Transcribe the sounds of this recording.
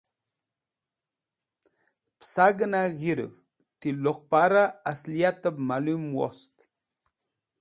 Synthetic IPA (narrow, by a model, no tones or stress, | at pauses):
psaɡənaɣiɾə̰v | tiloqpaɾaasliat̪əbmalumwo̰st̪